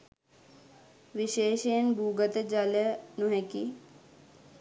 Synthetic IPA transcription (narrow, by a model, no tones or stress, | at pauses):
ʋiʃeːʃejənbʱuːɡət̪əd͡ʒalənuɦeki